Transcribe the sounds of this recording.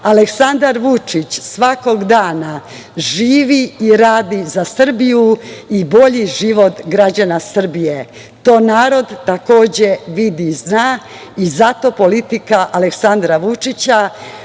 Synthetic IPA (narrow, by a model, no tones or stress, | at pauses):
aleksand̪aɾʋut͡ʂit͡ɕsʋako̞ɡd̪aːna | ʒiːʋiiɾaːd̪izasr̩bijuibo̞ʎiʒiʋo̞t̪ɡɾad͡ʑanasr̩bije | t̪o̞ːnaːɾo̞d̪t̪ako̞ːd͡ʑeʋid̪iznaː | izat̪o̞po̞lit̪ikaʔaleksand̪ɾaʋut͡ʂit͡ɕa